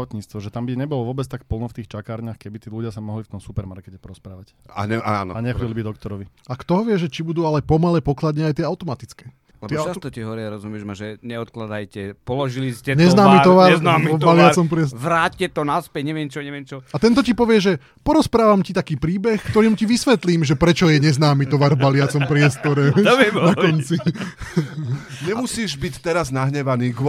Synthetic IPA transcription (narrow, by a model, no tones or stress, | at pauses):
ʋɔt̪ɲiːt͡st̪ʋɔʒɛt̪ambiɲɛbɔlɔʋɔbɛt͡st̪akpl̩nɔft̪iːxt͡ʃakaːɾɲaxkɛbit̪iːluɟɪasamɔɦlift̪ɔmsupɛɾmaɾkɛcɛpɔɾɔspɾaːʋaca̰ɛaa̰nɔ̰aɲɛxɔɛlbid̪ɔkt̪ɔɾɔʋiakt̪ɔɦɔʋɪɛʒɛt͡ʃibud̪uːalɛpɔmalɛpɔklad̪ɲɛajt̪ɪɛaʊt̪ɔmat̪it͡skɛː | lɛb̪ɔɛt͡ʃast̪ɔciɦɔʋɔɾiaɾɔzumɪɛʒmaʒɛɲɛɔt̪klad̪ajcɛpɔlɔʒiliscɛɲɛznaːmit̪ɔʋaɾaɔvbbalɪat͡sɔmpɾɪɛsʋɾaːccɛt̪ɔnaspɛcɲɛʋɪɛmt͡ʃɔɲɛʋɪɛmt͡ʃɔat̪ɛnt̪ɔcipɔʋɪɛʒɛ | pɔɾɔspɾaːʋamcit̪akiːpɾiːbɛxkt̪ɔɾiːmuciʋisʋɛt̪liːmʒɛpɾɛt͡ʃɔjɛɲɛznaːmit̪ɔʋaɾvbalɪat͡sɔmpɾɪɛst̪ɔɾɛnakɔnt͡si | ɲɛmusiːʒbict̪ɛɾaznaɦɲɛʋaniːɡ